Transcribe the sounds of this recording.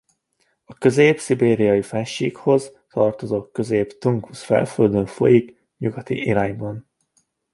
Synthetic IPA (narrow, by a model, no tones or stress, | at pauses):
ɒkø̞zeːpsibeːɾijɒjifɛnʃiːkho̞z | t̪ɒrt̪o̞zoːkkːø̞zeːpt̪uŋkusfɛ̰lføld̪øɱfo̞̰jik | ɲuɡɒt̪ḭʔiɾaːɲbɒn